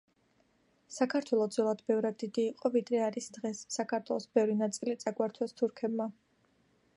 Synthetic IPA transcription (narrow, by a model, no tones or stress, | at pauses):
sakʰaɾt̪ʰwɛlˠɔd̪zɔlˠad̪bɛvɾad̪ːid̪iːqʼɔvid̪ɾɛaɾisd̪ʁɛsːakʰaɾt̪ʰwɛlˠɔsbɛvɾinat̪sʼilit̪sʼaɡwaɾt̪ʰwɛst̪ʰuɾkʰɛbma